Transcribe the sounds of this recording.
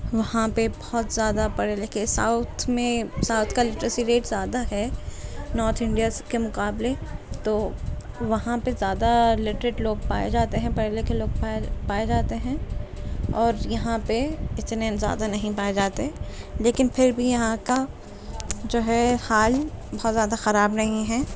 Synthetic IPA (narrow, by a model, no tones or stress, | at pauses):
ʋɐɦãpebɔɦɔt̪zjaːd̪apɐɽelekesa̰ʊt̪ʰmẽsaːʊt̪ʰkalɪʈɾəsiɾeːʈzjaːd̪aɦɛ | nɔːɾt̪ʰɪ̃ɳɖijazkemʊqaːblet̪oː | ʋɐɦãpezjaːd̪alɪʈɾɪʈloːɡ̚paːḛd͡ʒaːt̪eɦɛ̃pɐɽelekeloːɡ̚papaːed͡ʒaːt̪eɦɛ̃ | ɔːɾjɐɦãpeɪt̪neːnzja̰ːd̪anɐɦĩpaːed͡ʒaːt̪eɦɛ̃leːkɪnpʰɪɾbʱijɐɦãka | d͡ʒoːɦɛhaːlbɐɦt̪zjaːd̪axɐɾaːbnɐɦĩɦɛː